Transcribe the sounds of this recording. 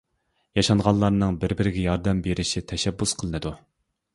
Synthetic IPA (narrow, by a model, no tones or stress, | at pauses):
jɑʃɑnʁɑnˠlˠɑɾnɨŋbɪɾbɪɾɪɡʲɛjɑɾd̪ɛmbeɾɪʃit̪ʰɛʃɛbːusqʰəlˠɨnɨd̪u